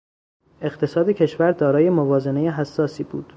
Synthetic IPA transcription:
e̞ɢt̪ʰe̞sɒːd̪ecʰe̞ʃvæɾd̪ɒːɾɒːje̞movɒːze̞ne̞jeɦæsːɒːsiːbṵːd̪̥

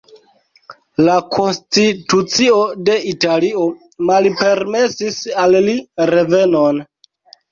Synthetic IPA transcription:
lakʰo̞nstitut͡sio̞de̞italio̞ | malpe̞ɾme̞sisalliɾe̞ve̞non

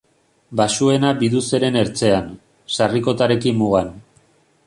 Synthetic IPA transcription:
basue̞nabiðuse̞ɾe̞ne̞ɾt͡se̞an | sariko̞t̪aɾe̞kimːuɣan

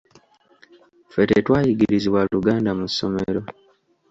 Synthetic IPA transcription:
fetetwaːjiɡiɾiziβwaluɡaːndamusːo̞̰mḛɾo̞

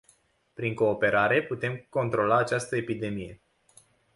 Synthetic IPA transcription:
pɾiŋko̞ːpe̞ɾaɾe̞put̪e̞mko̞nt̪ɾo̞laːt͡ʃast̪əe̞pid̪e̞mije̞̰

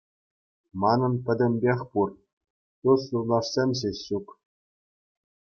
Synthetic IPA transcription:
mɑnɤ̆npʲɘ̆dʲɘ̆mʲbʲexʲpur | t̪uslurlˠɑʂsʲemʲɕeɕːuk

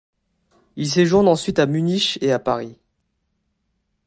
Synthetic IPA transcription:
ils̬eʒuʁnɑ̃sɥit̪amyniʃeapaʁi

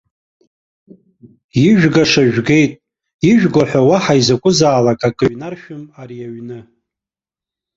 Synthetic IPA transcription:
iʒᶣɡaʂaʒᶣɡe̞jtʼ | iʒᶣɡʷaħʷᶣawaħaizakʷʼʊzaːlakʼakʼɨɥnarʃᶣʊmarijaɥnɨ

